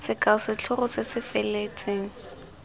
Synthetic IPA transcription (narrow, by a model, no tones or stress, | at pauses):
sɪkʼaʊsɪt͡ɬʰʊrʊsɪsɪfelet͡sʼeːŋ̩